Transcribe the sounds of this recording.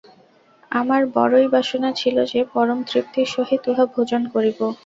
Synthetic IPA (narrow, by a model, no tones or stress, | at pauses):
amaɾbɔ̰ɾojbʱaʃonat͡ɕʰilod͡ʑepɔɾomt̪ɾip̚t̪iʃoɦit̪uɦabʱod͡ʑonkoɾibo